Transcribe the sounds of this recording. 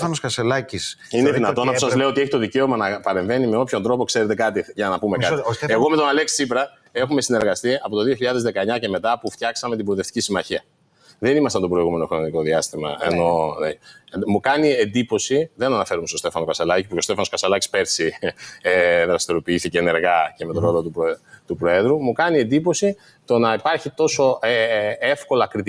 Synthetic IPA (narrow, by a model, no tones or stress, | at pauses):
ɐnoskɐselɐcis | ineðinɐt̪onɐosɐzleoot̪e̞çit̪o̞ðice̞o̞mɐnɐpɐɾe̞ɱve̞nimeo̞pço̞nd̪ɾo̞po̞kse̞ɾet̪e̞kɐt̪iʝɐnɐpumeɐt̪ie̞ɣo̞me̞t̪o̞nɐlekssipɾɐ | e̞xume̞sine̞ɾɣɐst̪iɐpo̞t̪o̞ðio̞çiʎɐðe̞zðe̞kɐeɲɐce̞me̞t̪ɐpuft̪çɐksɐmet̪ibɾolit̪e̞ft̪i̥cisimɐçiɐ | ðe̞nimɐst̪ɐnt̪o̞pɾo̞iɣume̞no̞xɾonnt̪iko̞ðiɐst̪imɐ̰ḛno̞ | mukɐnie̞nd̪ipo̞siðe̞nɐnɐfe̞ɾumeso̞st̪e̞fɐnokɐsɐlɐcipuost̪efɐnokɐsɐlɐci̥spe̞ɾsi | ðɾɐst̪iɾo̞piiθiceːne̞ɾɣɐce̞me̞t̪oɾo̞lo̞t̪upt̪upɾo̞e̞ðɾumukɐnie̞nd̪ipo̞si | t̪o̞nɐipɐɾçit̪o̞so̞eefko̞lɐkɾit̪